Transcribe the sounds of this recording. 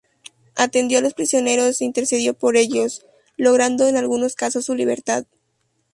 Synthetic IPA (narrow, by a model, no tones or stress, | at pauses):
at̪e̞nd̪jo̞alo̞spɾisjo̞ne̞ɾo̞sint̪e̞ɾseðjo̞po̞ɾe̞ʝo̞s | lo̞ɣ̞ɾand̪o̞enalɣuno̞skaso̞sːuliβ̞e̞̰ɾt̪að